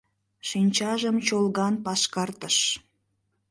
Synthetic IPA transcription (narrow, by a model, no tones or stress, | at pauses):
ʃinʲt͡ɕɑʒəmt͡ɕolɣɑnpɑʃkɑrt̪əʃ